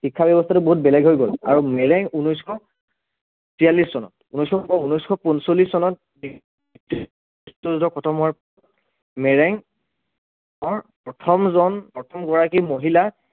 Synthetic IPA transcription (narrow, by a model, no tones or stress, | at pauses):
xikʰːabɛbɔstʰatuboɦut̚bɛlɛɡɦojɡɔla̰ɹumɛɹɛŋunɔjskʰɔ | sijaliszɔnɔ̰t̚unɔjskʰɔɔunɔjskʰɔpunsolissɔnɔt̚ | bi | t | stɔzdɔkɔtʰɔmɔɹp | mɛɹɛŋ | ɔɹpɔtʰɔmzɔnɔtʰɔmɡɔɹakimoɦila